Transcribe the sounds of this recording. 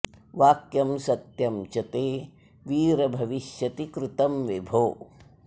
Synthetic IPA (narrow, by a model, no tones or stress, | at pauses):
ʋaːkjɐmsɐt̪jɐmt͡ʃɐt̪eː | ʋiːɾɐbʱɐʋiʃjɐt̪ikɾut̪ɐmʋibʱoː